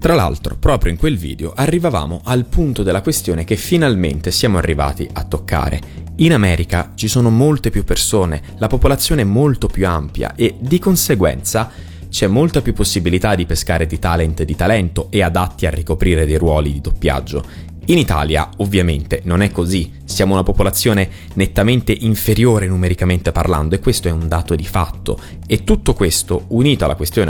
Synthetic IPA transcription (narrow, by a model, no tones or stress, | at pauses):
t̪ɾala̰lt̪ɾo̰pɾɔːpɾjoiŋkwelvḭːd̪eoʔarːivava̰ːmoʔalpunt̪od̪elːakwest̪joːnek̟efːinalmḛnt̪esjaːmoa̰rːiva̰ːt̪ḭʔat̪ːokʰːa̰ːɾʔḛinamɛːɾikat͡ʃisoːnomolt̪epjupːersoːnḛ | lapopolat̪sːjoːneɛmːolt̪opjuampja̰ʔed̪ikonseɡwɛ̰nt̪sa | t͡ʃɛmːolt̪apjupːosːibilit̪ad̪ipeskaːɾed̪it̪alɛnt̪d̪it̪alɛnt̪oʔead̪at̪ːia̰rːikopɾiːɾed̪ejɾwɔːlid̪id̪opːja̰d͡ʒːo̰ | init̪a̰ːlja̰ovːjament̪enonɛkːozi | sjaːmounapopolat̪sːjoːne | net̪ːament̪eʔiɱfeɾjoːɾenumeɾikament̪epa̰rla̰nd̪oekːwest̪oɛund̪aːt̪od̪ifa̰t̪ːo̰ | et̪ːut̪ːokwest̪ouniːt̪oala̰kwest̪joːn